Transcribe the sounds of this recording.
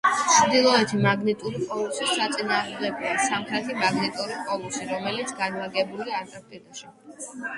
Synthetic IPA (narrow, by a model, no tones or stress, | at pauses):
t͡ʃʰd̪ilˠɔɛt̪ʰimaɡnit̪ʼuɾikʼɔlˠusisːat̪sʼinaːʁmd̪ɛɡɔasamχɾɛt̪ʰimaɡnit̪ʼuɾikʼɔlˠusiɾɔmɛlit̪sʰɡanvaɡɛbuliaaɾt̪ʼɛst̪ʼid̪aʃi